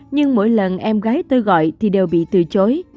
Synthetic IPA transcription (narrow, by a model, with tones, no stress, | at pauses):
ɲɨ˧ŋmo̰˧˥jlə˨˩nʔɛ˧mɣaː˨˦jt̪o˧jɣɔ̰˧˨jt̪ʰi˨˩ɗe˨˩wɓḭ˧˨t̪ɨ˨˩t͡ɕo˨˦j